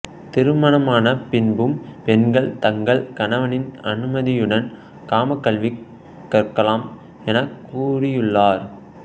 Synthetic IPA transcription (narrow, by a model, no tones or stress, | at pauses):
t̪ɪɾɯmɐnɐmaːnɐpɪnbɯmpɛnɡɐɭt̪ɐŋɡɐɭkɐnɐʋɐnɪnɐnɯmɐðɪjɯɽɐn | kaːmɐkːɐɭʋi | kːɐrkːɐlaːm | ɛnɐkːuːɽɪjɯɭːaːɾ